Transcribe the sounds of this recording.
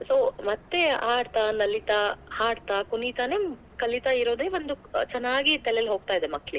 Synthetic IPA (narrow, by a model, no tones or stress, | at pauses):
soːmɐt̪ːe̞aːɽt̪anɐlit̪ahaːɽt̪akunit̪aneːm | kɐlit̪aiɾoːd̪eːʋond̪ut͡ʃɛnːaːɡit̪ɛlejɐlɦo̞ːɡ̚t̪aːid̪emɐkːli